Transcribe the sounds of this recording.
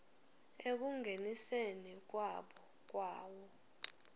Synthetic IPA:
ek̬uŋɡʱenisenik̬waɓɔ | k̬waːwɔ

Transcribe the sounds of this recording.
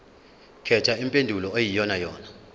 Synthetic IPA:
kʰɛtʰaimpʼendʱulɔejijɔnajɔːna

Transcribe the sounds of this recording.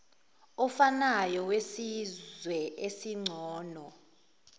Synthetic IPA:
ɔfanajɔwesizwɛʔesiŋ͡ǀʱɔːnɔ

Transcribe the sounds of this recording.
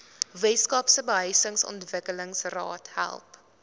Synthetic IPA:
vɛtskɑpsəbəɦəjsəŋsɔ̰ntvəkələŋsrɑ̰ːtɦæ̰lˠp

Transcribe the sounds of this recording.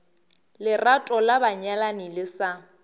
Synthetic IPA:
lɪratʼɔlabaɲalanɪlɪsa

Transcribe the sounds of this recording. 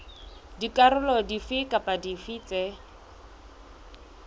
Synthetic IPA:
dikʼarʊlɔdifɪkʼapʼadifit͡sɛ

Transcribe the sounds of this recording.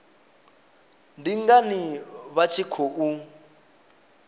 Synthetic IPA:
ndiŋɡaniβat͡ʃʰikʰoʔu

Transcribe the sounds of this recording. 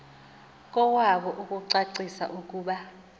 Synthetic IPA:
kʼɔwaɓɔʔukʼuǀaǀisa̰ʔuk̬ʼuːɓa

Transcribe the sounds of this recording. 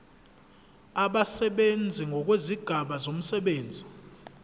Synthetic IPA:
aɓasɛɓend͡zʱiŋɡʱɔk̬weziɡ̥ʱaɓazom̩sɛɓeːnd͡zʱi

